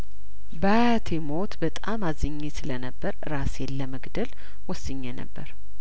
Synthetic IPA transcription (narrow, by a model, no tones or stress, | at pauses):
ba | t̪ʰemo̞t̪bət̪ʼamazəɲːesɨlənəbːəɾɨɾasjɛlːəməɡd̪əl | wɔsːɨɲːenə̰bːəɾ